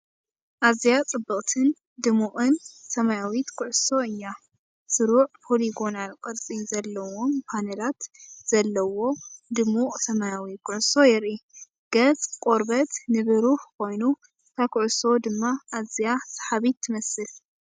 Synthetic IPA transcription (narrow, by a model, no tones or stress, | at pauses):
ʔazijat͡sʼɨbːɐχʼt̪ʰɨn | d̪ɨmuʔʼɨnsɐmajawit̪kʰʊʕʊso̞ɨjːa | sɨɾuʕpʰo̞liɡo̞nalkʼɨɾt͡sʼizɐlːɐwo̞mpʰanɐlat̪z̥ɐlːɐwo̞d̪ɨmuʔʼsɐmajawit̪̚kʰʊʕʊso̞jɛɾʔi | ɡ̥ɐt͡sʼkʼo̞ɾbɐt̪nɨβɨɾuħkʰo̞jnu | t̪ʰakʰʊʕʊso̞d̪ɨmːaʔazijasḁħaβit̪ʰːɨmɐsɨl